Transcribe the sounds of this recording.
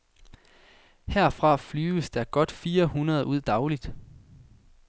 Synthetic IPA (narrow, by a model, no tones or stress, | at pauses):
heɐ̰fʁɑ̈flyːəsd̥ɑɐɡ̥ɒ̽d̥fiːɐhunɐðˠuð̞̰ˠd̥ɑ̈ʊlid̥